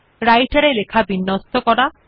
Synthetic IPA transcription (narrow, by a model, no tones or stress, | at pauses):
ɾajʈaɾelekʰabinːost̪okɔɾa